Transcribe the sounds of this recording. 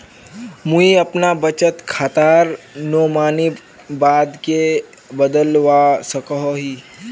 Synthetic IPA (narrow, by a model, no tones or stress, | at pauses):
mũiɐpnabət͡ʃət̪kʰaːt̪aːɾnomaːni | baːd̪ke | bəd̪əlʋasəkɦoɦi